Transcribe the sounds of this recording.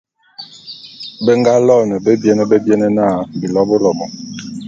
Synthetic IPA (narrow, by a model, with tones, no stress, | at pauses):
bə˦ŋɡa˦lɔ˦˨nɛ˨be˦bjɛ˦nɛ˦be˦bjɛ˦nɛ˦na˦˨bi˨lɔ˦bo˦lɔ˨mɔ˨